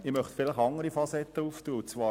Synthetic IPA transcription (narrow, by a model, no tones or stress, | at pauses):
ɪmœχt̪fɪlɪχɑŋəɾifɑsɛt̪ːəuːftuːəut͡svɑː